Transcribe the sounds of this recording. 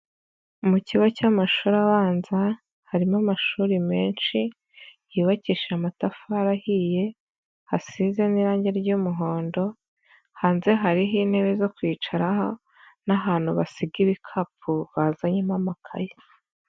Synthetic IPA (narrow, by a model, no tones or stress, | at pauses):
muciβocamaʃuːɾaβaːnza | haɾimamaʃuːɾime̞ːnʃi | jiːβaciʃamatafaɾahije̞ | hasize̞niɾaːɲɟeɾɾɟumuɦo̞ːndo̞ | haːnze̞ɦaɾiɦiːn̥he̞βe̞zo̞kwiːt͡ʃaɾaɦo̞ | naɦaːn̥huβasiɡiβikʰapʰuβazaɲimamakʰa̰je